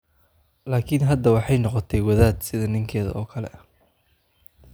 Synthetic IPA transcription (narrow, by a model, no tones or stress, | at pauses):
laːkʰɪnɦɐd̪ːɐwɑħɑjnɔqɔt̪ʰɛjwɐðaːd̪sɪðɐnɪŋkʰɛːðɐ̰ɔːkʰɐlɛ̰ɐ